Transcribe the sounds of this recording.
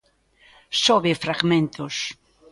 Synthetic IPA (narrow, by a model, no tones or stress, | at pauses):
soβefɾaɣmẽnt̪ʊs